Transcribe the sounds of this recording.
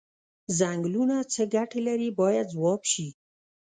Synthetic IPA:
zaŋɡlunat͡səɡaʈelaɾibɑjad̪̚zwɑbʃi

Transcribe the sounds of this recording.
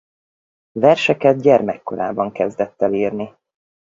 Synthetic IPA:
vɛrʃɛkɛd̪̚ɟɛrmɛkːo̞̰ɾa̰ːbɒŋkɛzd̪ɛt̪ːɛliːrni

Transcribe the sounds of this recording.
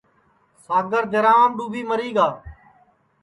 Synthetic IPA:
saːɡəɾd̪ʱeɾaːmɖuːbʱiːməɾiːɡaː

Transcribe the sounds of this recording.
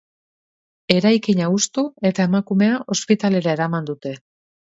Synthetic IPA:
e̞ɾajkiɲaust̪ue̞t̪ae̞makume̞aʔo̞spit̪ale̞ɾae̞ɾamand̪ut̪e̞

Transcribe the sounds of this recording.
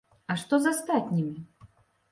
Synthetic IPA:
ɐʂt̪ɔzast̪at̪ʲnʲimʲi

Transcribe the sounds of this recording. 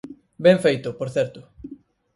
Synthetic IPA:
bẽɱfejt̪ʊpoɾθɛɾt̪ʊ

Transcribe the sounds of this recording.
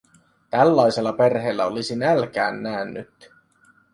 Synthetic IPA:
t̪ælːɑjse̞lːɑpe̞rɦe̞ːlːæo̞lisinælk̟æːnːæːnːyt̪

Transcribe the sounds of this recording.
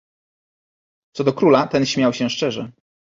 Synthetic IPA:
t̪sɔd̪ɔkɾulat̪ɛnɕmʲjawɕɛ̃ʂt͡ʂɛʐɛ

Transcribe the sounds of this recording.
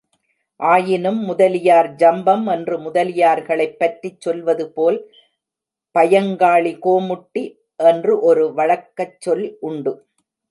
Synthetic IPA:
ʔaːjɪnɯmːʊðɐlɪjaːɾd͡ʒɐmbɐmɛndrɯmʊðɐlɪjaːɾɣɐɭɐɪpːɐʈrit͡ʃːɔlʋɐðɯpoːl | pɐjɐŋɡaːɭikoːmʊʈːi | ʔɛndrɯʔɔɾɯʋɐɻɐkːɐt͡ʃːɔlʔʊɳɖɯ

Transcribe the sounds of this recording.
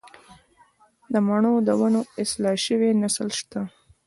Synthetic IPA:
d̪əmaɳ̃od̪əwanoɪslɑʃəwenaslʃt̪a

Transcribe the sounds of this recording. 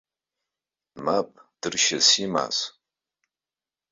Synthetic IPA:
mapʼd̥ɨrʃasima̰z

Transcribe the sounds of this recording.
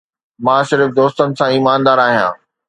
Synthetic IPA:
mãːʃɪɾɪfd̪oːst̪ənɪ̆sãiːmaːnd̪aːɾaːɦijã̰ː

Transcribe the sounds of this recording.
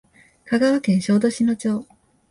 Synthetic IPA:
kaɡaβakẽ̞ɰ̃ɕo̞ːd̪o̞ɕino̞t͡ɕo̞ː

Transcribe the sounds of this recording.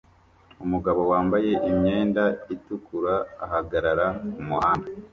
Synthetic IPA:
umuɡaβo̞waːmbaje̞ʔimɲe̞ːndaitukuɾa̰ːɦaɡaɾaɾakumuhaːnda

